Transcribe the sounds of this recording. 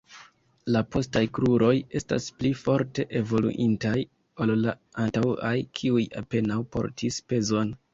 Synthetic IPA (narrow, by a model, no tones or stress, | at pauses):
lapʰo̞stajkɾuɾo̞je̞sta̰splifo̞ɾte̞ʔevo̞lṵʔintaj | olla | antawa̰jkʰiuja̰pe̞nawpo̞̰ɾtʰispe̞zo̞n